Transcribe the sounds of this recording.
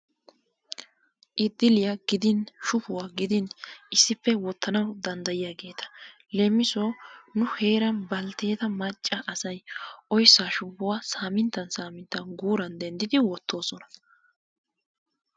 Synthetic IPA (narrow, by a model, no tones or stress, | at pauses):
ʔɪd̪ːɪlɪjɐɡɪd̪ɪnʃʊpʊwaːɡɪd̪ɪnɪsːɪpːɛwɔt̪ʰːɐnɐwd̪ɐnd̪ɐjɪjaːɡe̞ːt̪ɐ̥ | lemːɪsoːnʊhe̞ːɾɐnbɐlt̪eːt̪ɐmɐt͡ʃʼːɐʔɐsɐjʔɔjsːaːʃʊpʊwaːsaːmɪnt̪ːɐnsaːmɪnt̪ːɐnɡuːɾɐnd̪ɛnd̪ɪd̪ɪwɔt̪ːo̞ːsɔnɐ̥